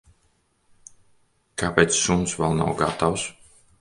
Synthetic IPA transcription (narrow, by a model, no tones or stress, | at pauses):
kapeːt̪ssumsvɛlˠna̰wɡat̪aws